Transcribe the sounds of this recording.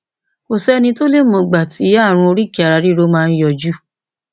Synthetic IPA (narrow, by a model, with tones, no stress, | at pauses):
ko˨sɛ˦nĩ˧to˦le˦˨mɔ̃˧˨ɡ͡ba˨tʰi˨˦ja˦˨ɾ̃ũ˧o˧ɾi˦ki˨a˨ɾa˨˧˦ɾi˦ɾo˧˦mãː˦˧n̩˦jɔ˧˨d͡ʒu˦